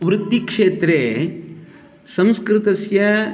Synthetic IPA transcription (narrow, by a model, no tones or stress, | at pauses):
ʋɾut̪ːikʂeːt̪ɾeː | sɐmskɾɪt̪ɐsjɐ